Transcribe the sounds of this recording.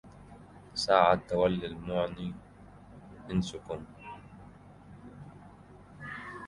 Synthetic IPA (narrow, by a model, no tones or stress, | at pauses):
saːʕat̪ːawalːilmʊʕni | ʔɪnsʊkʊm